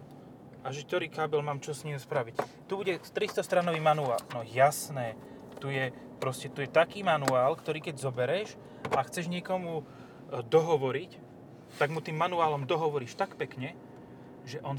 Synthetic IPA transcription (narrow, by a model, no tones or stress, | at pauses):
aʒɛt̪ɔɾiːkaːbɛlmaːmt͡ʃɔsɲispɾaʋic | t̪ubuɟɛst̪ɾist̪ɔst̪ɾanɔʋiːmanua̰ːlnɔjasnɛː | t̪ujɛ | pɾɔscɛt̪ujɛt̪akiːmanuaːlkt̪ɔɾiːkɛɟzɔbɛɾɛʒ | aakxt͡sɛʒɲɪɛkɔmu | d̪ɔɦɔʋɔɾic | t̪aɡmut̪iːmːanuaːlɔmd̪ɔɦɔʋɔɾiːʃt̪akpɛkɲɛ | ʒɛʔɔn